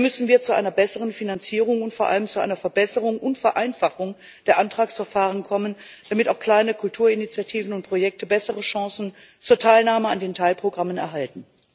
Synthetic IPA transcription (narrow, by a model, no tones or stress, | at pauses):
mʏsn̩viːɐt͡suʔa̰ɪnɐbɛsəʁənfinant͡siːʁ̞ʊŋʊntfoːɐʔa̰ləmt͡suʔa̰ɪnɐfɛɐbɛsəʁʊŋʔʊntfɛɐʔaɪnfaχʊŋ | d̥eːɐʔantʁ̥aːksfɛɐfaːʁ̞ənkʰɔmən | d̥amɪta̰ʊxkl̥aɪnəkʰʊltʰuːɐinit͡sjatʰiːvn̩ʊnt̚pʁ̥ojɛk̚təbɛsəʁəʃɑ̃ːsn̩ | t͡suːɐtʰaɪlnaːməandeːntʰaɪlpʁ̥oɡʁamənɛ̰ɐɦaltn̩